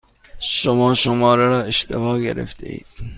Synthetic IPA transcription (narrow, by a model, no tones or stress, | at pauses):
ʃomɒːʃomɒːɾeɾɒːeʃt̪ʰebɒːɟḛɾḛft̪ʰḛḭːd̪̥